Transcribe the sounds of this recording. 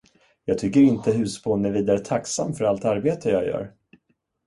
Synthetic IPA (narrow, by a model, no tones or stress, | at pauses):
jɑːɡ̚t̪ʰʏkːəɾɪnt̪əɦʉ̟ːspʰonːɛviːd̪aɾət̪ʰaksa̰mːfœɾalt̪aɾbeːt̪ʰəjɑːɡjœ̰ːɾ